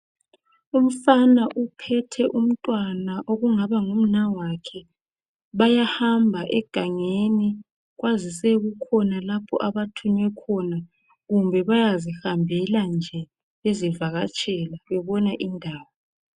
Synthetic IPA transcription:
um̩fanaʔupʰɛtʰɛʔum̩tʼwanaʔoɣuŋaβaŋum̩nawakʰɛ | βajahambʱaʔɛɡ̥ʱaŋeni | ɣwazisɛɣukʰɔnalapʰɔ̰ʔaβatʰuɲwɛkʰɔna | ɣumbʱɛβajazihambʱɛland͡ʒʱɛ | ezivaɣat͡ʃʼɛlaβɛβɔnaʔindʱaːwɔ

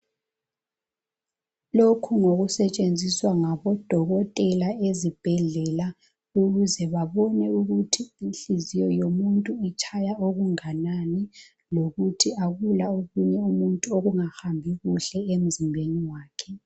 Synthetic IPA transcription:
lokʰuŋoɣusɛt͡ʃʼend͡zʱiswaŋaβɔd̥ʱɔɣɔtʼɛlaezib̥ʱɛɮɛla | uɣuzɛβaβɔnɛuɣutʰiinɬizijɔjomuntʼuit͡ʃʰajaoɣuŋanani | loɣutʰiaɣulaoɣuɲɛumuntʼuoɣuŋaxambʱiɣuɬɛem̩zimbʱeniwaːkʰɛ

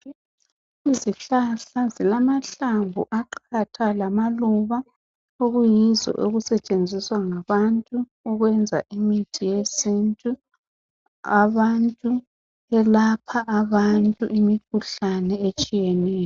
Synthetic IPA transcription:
iziɬaɬazilamaɬambʱuʔaǃʰatʰalamaluβa | oɣujizɔ̰ʔoɣusɛt͡ʃʼend͡zʱiswaŋaβantʼuː | ɣwɛnd͡zʱa̰ʔimitʼijesintʼu | aβantʼu | ɛlapʰaʔaβantʼuʔimikʰuɬanɛet͡ʃʼijɛnɛːjɔ

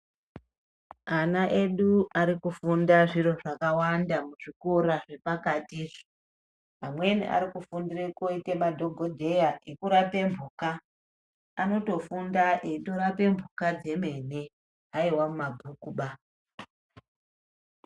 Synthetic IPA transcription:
anaʔe̞ɗuaɾikufundaʐiɾo̞ʐakawandamuʐikuɾaʐe̞pakatiʐi | amwe̞nḭʔa̰ɾikufundirekoite̞madʱo̞ɡʱo̞dʱe̞jaʔekuɾape̞mbʱukaː | no̞to̞fundaʔeito̞ɾape̞mbʱukad͡ze̞me̞ne̞ | ɦaiwamumabʱukuɓa

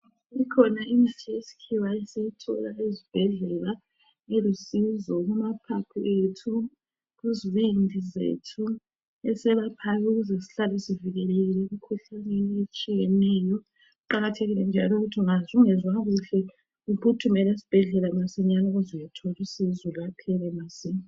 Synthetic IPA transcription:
ikʰɔnainitʰiesi̥kʰiwaɛsejitʰɔ̰laezib̥ʱɛɮɛla | elusizɔɣumapʰapʰuʔetʰu | ɣuziwindʱizḛtʰu | ɛsɛβapʰajuɣuzesi̥ɬalisiviɣɛleɣilemikʰuɬanɛet͡ʃʼijɛnɛjɔ | uǃaɣatʰeɣilɛnd͡ʒʱalɔuɣutʰiŋazuŋɛzwaɣuɬɛ | upʰutʰumɛlesi̥b̥ʱɛɮɛlamasɛɲanauzɔjatʰɔlisizɔlapʰɛlɛmasiɲa

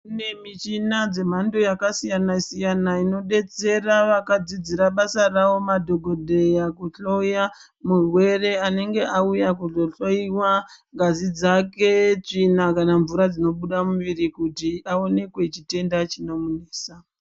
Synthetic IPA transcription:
kunemit͡ʃinad͡ze̞m̤ando̞jakasijanasijanaino̞ɗe̞t͡se̞raʋakad͡zid͡ziɾaɓasarawo̞madʱo̞ɡʱo̞dʱe̞jakuɬo̞ja | murwe̞re̞ane̞ŋɡe̞ʔaujakuɮoɬoiwaŋɡazid͡zake̞t͡ʂinakanaɱvuɾad͡zino̞ɓuɗamuʋiɾikutiao̞ne̞kwe̞t͡ʃite̞ndat͡ʃino̞mune̞ːsa

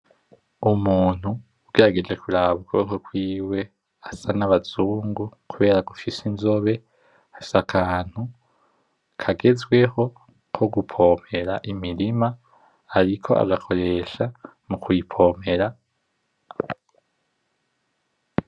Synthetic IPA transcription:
umuːn̥huː | ɡe̞ɾaɡe̞d͡ʒe̞kuɾaβɡokokwiːwe̞ | asanaβazuːŋɡukuβe̞ːɾaɡufisinzo̞βe̞ | afi̥sakʰaːn̥hu | kʰaɡe̞zɡwe̞ho̞ | kʰo̞ɡupʰo̞me̞ɾaʔimiɾimaː | ɾikʰo̞̰ʔa̰ɡakʰo̞ɾe̞ʃa | mukwuipʰo̞me̞ɾa

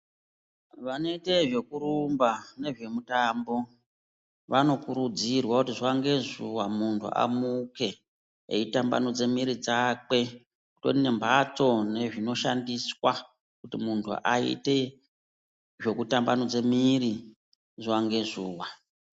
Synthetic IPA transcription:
ʋano̞iteʐe̞kuɾumbane̞ʐe̞mutambo̞ | ʋano̞kuɾud͡zirwakutiʐwaŋɡe̞zuwamuntʰṵʔa̰muke̞ | ḛitamba̰nod͡ze̞miɾid͡zake̞ | kuto̞̰tine̞mbʱat͡so̞ne̞ʐino̞ʃa̰ndiswa | kutimuntʰṵʔaḭte̞ | ʐe̞kutambanod͡ze̞miri | ʐwaŋɡe̞ʐuːwa

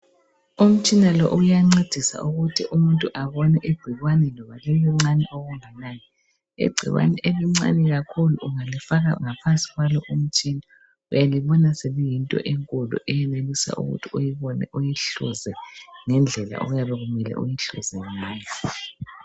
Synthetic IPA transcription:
um̩t͡ʃʼinalɔ̰ʔujaŋ͡ǀed̥ʱisa̰ʔuɣutʰiʔumuntʼuʔaβɔnɛʔiɡ͡ǀ̥ʱiɣwanɛlɔβalɛjɔŋ͡ǀanɛʔoɣuŋɛnani | ḭɡ͡ǀʱḭɣwa̰nɛʔeliŋ͡ǀa̰nɛɣakʰuluʔːŋalifaɣauŋapʰansʼi̥ɣwalɔʔum̩t͡ʃʼina | ujaliβɔnaselijintʼɔ̰ʔeŋkʼulṵʔɛjɛnelisa̰ʔṵɣṵtʰijiɔnujiɬṵzɛŋɛnd͡ɮʱɛla̰ʔo̰ɣujaβɛɣumɛlɛ̰ʔṵjiɬṵzɛŋaːjɔ

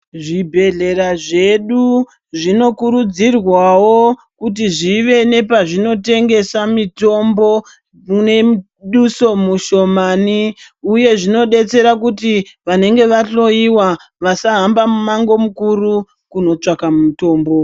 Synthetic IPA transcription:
ʐibʱe̞ɮe̞ɾaʐe̞ɗu | ʐino̞kuɾud͡zirwawo | kut̬iʐiʋe̞ne̞paʐino̞te̞ŋɡe̞samito̞mbo̞ | mune | ɗuso̞muʃo̞mani | uje̞ʐino̞ɗe̞t͡se̞ɾak̬utiʋane̞ŋɡe̞ʋaɬo̞iwa | ʋasaɦambamumaŋɡo̞mukuru | kuno̞t͡ʂakamumuto̞ːmbo̞

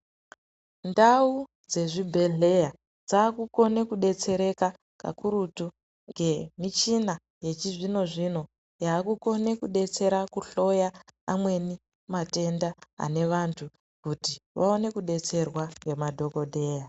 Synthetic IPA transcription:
ndau | d͡ze̞ʐibʱe̞ɮe̞ja | d͡zaːkuko̞ne̞kuɗe̞t͡se̞ɾe̞ka | ka̰kuɾutu | ŋɡe̞mit͡ʃina | je̞t͡ʃiʐino̞ʐino̞ | jaːkuko̞ne̞kuɗe̞t͡se̞ɾakuɬo̞jaamwe̞ni | mate̞ndaa̰ne̞ʋantʰu | kutiʋa̰o̞ne̞kuɗe̞t͡se̞rwaŋɡe̞madʱo̞ko̞de̞ːja

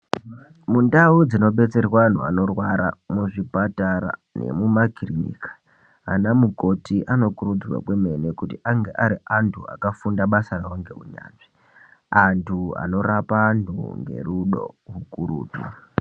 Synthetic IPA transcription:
mundaud͡zino̞ɓe̞t͡se̞rwaan̤ua̰no̞rwaɾamuʐipataɾa̰ne̞̰mumaɡʱiriɲḭkḁ | a̰namuko̞tiʔano̞kuɾud͡zrwa̰kwe̞menekutiʔaŋɡe̞ʔaɾiantʰua̰kafundaɓasarawaŋɡe̞ɦuɲa̰ːnʐi | antʰua̰no̞rapaːntʰṵŋɡe̞̰ɾuɗo̰ɦukuɾṵːtṵ

